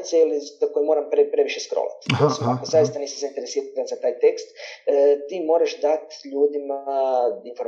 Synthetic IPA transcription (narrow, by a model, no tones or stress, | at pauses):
t̪selizakojimo̞ːɾampɾepɾe̞ʋiʃeskɾo̰la̰t̪osmakozajist̪anisizaint̪eɾesiːɾat̪anzat̪aːjt̪e̞kst̪ːt̪iːmo̞ːɾaʃd̪at̪ʎuːd̪imainfo̞ɾ